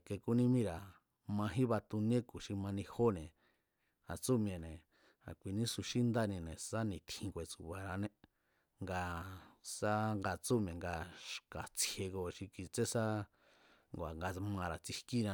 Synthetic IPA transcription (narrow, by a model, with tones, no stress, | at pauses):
ke˧ku˦nĩ˦mĩ˦ɾa˨ | mã˧ɦĩ˦βa˧t̪u˧nẽ˦ku˨ʃi˧mã˧nĩ˧ho˦nẽ˨ | a˨t͡su˦mj̃ẽ˨nẽ˨ | a̰˨kʷi˧nĩ˦su˧ʃi˦nd̪a˦nĩ˧nẽ˨sa˦nĩ˨t̪ʰĩ˧ŋɡʷe˨t͡su˨βa˨ɾa˧nẽ˧ | ŋɡa˧sa˦ŋɡa˧t͡su˦mjẽ˨ŋɡa˧ʃka˨t͡se˧ɡo˧ʃi˧ki˧t͡se˦sa˦ | ŋɡʷa̰˨ŋɡa˧mã˧ɾa˨t͡si˧ki˦nã˧